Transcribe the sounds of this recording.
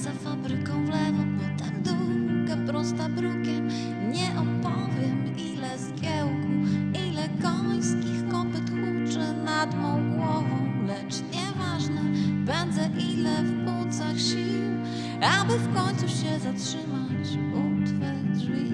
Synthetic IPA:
zafabɾɘkɔ̃w̃vlɛvɔ̃w̃bɔt̪amd̪ukapɾɔst̪abɾukʲɛ | ɲɛʔɔpɔvʲjɛm | ilɛskʲɛwkuʔilɛkɔj̃skʲixkɔpɛt̪kut͡ʂɛnad̪mɔ̃w̃ɡwɔvɔ̃w̃lɛt͡ʂɲɛvaʐnɛbɛnd̪ɛʔilɛfkut̪saxɕiw | abɘfkɔɲt̪suɕɛzatʂɘma | t͡ɕ | ut̪fɛdʐvʲi

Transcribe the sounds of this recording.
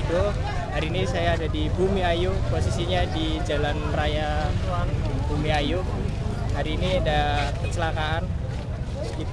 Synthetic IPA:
do | ɦaɾiːnisajaːdadibumiajʊpos̬isiɲadi | d͡ʒalanrajat̪uaŋdŋbumiajʊ | haɾiːniadakət͡ʃəlakaan | ɡit̪

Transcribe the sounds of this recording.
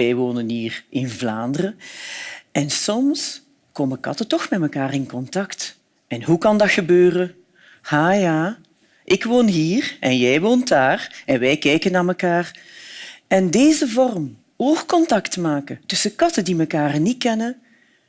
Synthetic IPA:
ɛjʋoːnənɦiːrʔɪnvlaːndərə | ɛnsɔms | koːməkɑ̰tətɔxmɛtməkaːrɪnkɔntɑkt | ɛnɦukɑndɑtxəbøːrə | haːjaː | ʔɪkʋoːnɦiːrʔɛnjɛjʋoːntdaːrɛnʋɛjkɛjkənːaːməkaːr | ɛndeːzəvɔrm | oːxkɔntɑktmaːkətɵsəkɑtədiməkaːrnikɛnə

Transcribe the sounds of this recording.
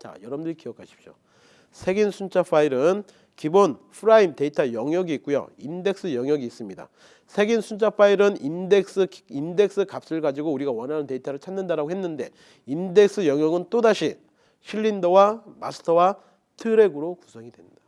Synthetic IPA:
t͡ɕa̰jʌɾʌmdɯɭikijʌkʰaɕʰi̥p̚ɕ͈jo̰ | sʰe̞ɡinsʰunt͡ɕʰapʰaiɾɯn | kibonpʰɯɾaimte̞itʰajʌŋjʌɡiːk͈̚ujo̰inde̞k̚s͈ɯjʌŋjʌɡiːs͈ɯmɲida̰ | sʰe̞ɡinsʰunt͡ɕʰaɸʰaiɾɯnindek̚s͈ɯinde̞k̚s͈ɯkap̚s͈ɯɭɡad͡ʑiɡouɾiɡawʌnɦanɯnte̞itʰaɾɯɭt͡ɕʰanːɯndaɾaɡohe̞nːɯnde̞ | inde̞k̚s͈ɯjʌŋjʌɡɯnt͈odaɕʰi | ɕʰiʎːindowamasʰɯ̥tʰʌwa | tʰɯɾe̞ɡɯɾokusʰʌŋidwendḁ

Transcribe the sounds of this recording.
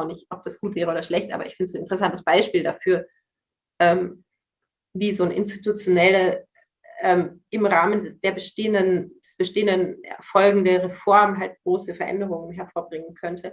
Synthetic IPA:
ʊnɪçtʔɔp̚d̥asɡ̥uːtvɛːʁ̞əʔoːdɐʃlɛçtʔaːbɐ̰ʔɪçfɪndəsn̩ɪntəʁəs̬antəsb̥aɪʃpiːldafyːɐ | ʔɛːm | viːzoːnʔɪ̰nstitut͡sjonɛlə | ʔɛːmʔɪmʁaːmənd̥eːɐbəʃteːəndənd̥ɛsb̥əʃteːəndən̰ːfɔlɡŋ̩deɐʁefɔɐmɦalt̚ɡ̥ʁoːsəfɛɐʔɛ̰ndəʁ̞ʊŋənɦɛɐfoːɐbʁɪŋənkʰœntʰə

